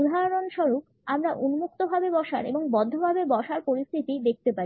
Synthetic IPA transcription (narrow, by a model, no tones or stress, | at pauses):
ud̪ʱaɾonʃɔɾuk | amɾaʔunumuk̚t̪obʱabebɔʃa̰ɾḛboŋbɔd̪ʱːobʱabebɔʃaɾpoɾist̪ʰit̪id̪ek̚ʰt̪epaɾi